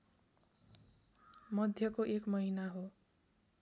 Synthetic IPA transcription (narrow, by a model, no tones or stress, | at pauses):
mʌd̪ʱjʌkoʔekmʌɦinaɦo